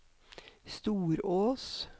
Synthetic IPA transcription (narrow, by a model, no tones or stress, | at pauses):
st̪uːɾoːs